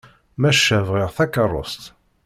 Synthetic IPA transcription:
mæʃːævʁɪʁθækərˤːo̰st̪

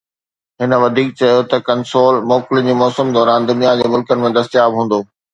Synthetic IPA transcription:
ɦɪnə̆ʋɐd̪ʱiːk̚t͡ɕɐjot̪ɐkɐnsoːlmɔːkɪlɪd͡ʑiːmɔːsəmd̪ɔːɾaːnd̪ʊnijad͡ʑeːmʊlkənɪ̆mẽd̪ɐst̪ijaːbɦũːn̆d̪oː

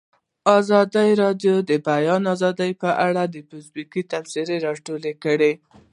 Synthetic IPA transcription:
ɑzɑd̪əjɾɑɖjod̪əbajɑnɑzɑd̪əjpəʔaɽad̪əpʊsbikit̪ansiɾeɾɑʈolekəɽe

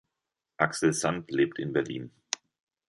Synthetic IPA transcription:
ʔaksl̩zantleːp̚tʰɪnbɛɐlḭːn

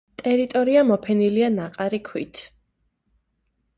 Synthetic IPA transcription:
t̪ʼɛɾit̪ʼɔɾiamɔpʰɛnilianaqʼaɾikʰwḭt̪ʰ

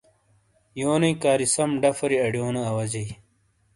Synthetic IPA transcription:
joːnɐikaːɾisɐmɖɐfɐɾiɐɖjoːnɐɐwɐd͡ʑɐj

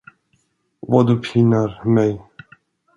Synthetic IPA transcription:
vad̪ɵpʰɪnaɾmɛj

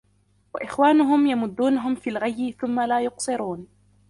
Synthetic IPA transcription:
waʔɪxwaːnʊɦʊmjamʊd̪ːuːnaɦʊmfiːlɣajːɪθʊmːalaːjʊqsˤɨɾuːn

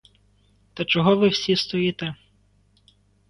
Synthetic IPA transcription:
t̪ɐt͡ʃɔɦɔʋɪwsʲist̪ɔjit̪ɛ

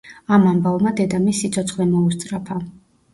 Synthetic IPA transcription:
amambavmad̪ɛd̪amisːit̪sʰɔt̪sʰχwɛmɔust̪sʼɾapʰa

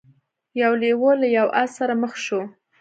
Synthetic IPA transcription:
jawlewolajawʔassaɾaməxʃo

